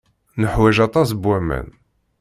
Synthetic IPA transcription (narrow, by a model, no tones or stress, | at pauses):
nəħwæʒɑt̪ˤɑs̬bwæmæ̰n